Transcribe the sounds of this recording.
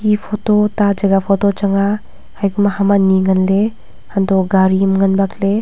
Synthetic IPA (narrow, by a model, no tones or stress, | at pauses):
kipʰɔtotad͡ʒɐɡapʰɔtot͡ʃaŋa | hajɡumahamaniŋɐnle | hantoɡaɾimŋɐnbakle